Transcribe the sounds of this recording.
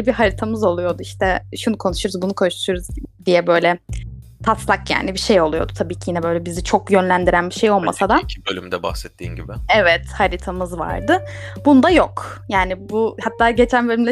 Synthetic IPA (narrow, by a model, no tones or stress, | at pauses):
biɦaɾit̪ʰamɯzo̞lˠujo̞d̪uiʃt̪ʰɛʃunukʰo̞nuʃuɾuzbunukʰo̞nuʃuʃuɾuzd̪ijɛbø̞jlʲɛ | t̪ʰaslˠakja̰ːnibiʃe̞jo̞lˠujo̞d̪ut̪ʰabiːcʰijinɛbø̞jlʲɛbizit͡ʃʰo̞kjø̞nlʲænd̪iɾænbiʃe̞jo̞lˠma̰sad̪aibølʲy̰md̪ɛba̰xsɛt̪ʰːḭːnɟibɪɛvɛt̪haɾit̪ʰamɯzva̰ɾd̪ɯbund̪ajokjaːnibuhat̪ʰːaːɟe̞t͡ʃʰænbølʲymlʲɛ